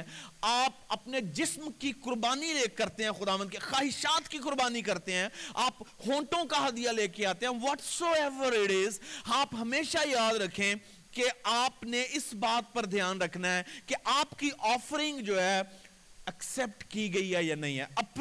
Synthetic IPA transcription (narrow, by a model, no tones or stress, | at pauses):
aːp̚ɐpned͡ʒɪsmkikʊɾbaːniɾeːkːɐɾt̪eɦɛ̃xʊd̪aːʋə̃nd̪kexaːɦɪʃaːt̪kikʊɾbaːnikɐɾt̪eɦɛ̃aːphõːʈõkaɦɐd̪ijaleːkeaːt̪eɦɛ̃ːʋɔːʈsoːɛʋəɾɪʈɪzɦaːpɦɐmeːʃajaːd̪ɾɐkʰːẽ | keaːpneɪsbaːt̪̚pɐɾd̪ʱjaːnɾɐkʰnaɦɛːkeʔaːpkiʔɔːfəɾɪ̃ŋɡd͡ʒoːɦɛː | ɐksɛp̚ʈkiɡɐiɦɛjanɐ̃ɦĩɦɛːʔɐp